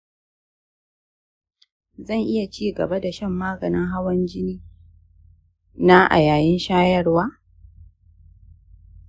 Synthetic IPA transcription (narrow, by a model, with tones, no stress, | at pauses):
zɐ˦˨ŋʔɪ˦ja˨t͡ʃiː˦ɡɐ̰˨ba˦da˨ʃɐ˦˨mːaː˦ɡɐ˨nɪ˦ŋɦa˦wɐ˦nd͡ʒɪ˦niː˦ | na˦ʔa̰˨jaː˨jɪ˦nʃaː˦jɐ˦rwaː˦